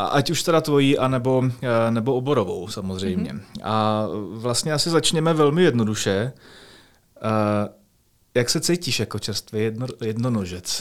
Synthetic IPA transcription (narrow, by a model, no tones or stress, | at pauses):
ʔa̰ʔacuʃt̪ɛɾat̪vo̞jiːʔanɛbo̞nɛboobo̞ɾovo̞wsamozr̝ɛjmɲɛ̰avlast̪ɲɛasɪzat͡ʃɲɛmɛvɛlmɪjɛdnoduʃɛ | jaksɛt͡sɛjciːʃjakot͡ʃɛɾst̪vɪjɛdnonoʒɛt͡s